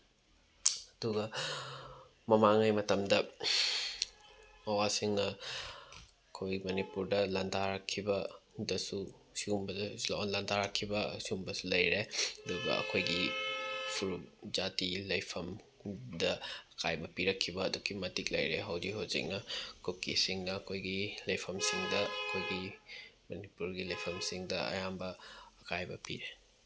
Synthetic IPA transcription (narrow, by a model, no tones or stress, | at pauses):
ɐduɡɐ | mɐmaŋajmɐtɐmdɐ | ɐwasiŋɐ | ɐkʰojɡimɐnipuɾdɐlɐntʰaɾɐkʰːibɐdɐsu | siumbɐdlnlɐntʰaɾakʰːibɐsiumbɐsulɐjɾeɐduɡɐ̰ɐ̰kʰojɡi | pʰuɾud͡ʒatilɐjpʰɐm | dɐɐkʰajbɐpiɾɐkʰːibɐːdukimɐtik̚lɐ̰jɾeɦɐwdiɦozḭk̚nɐkʰukisiŋnɐːkʰojɡilɐjpʰɐmsiŋdɐɐkʰojɡimɐnipuɾɡilɐjpʰɐmsiŋdɐɐ̰jambɐːkʰajbɐpiɾe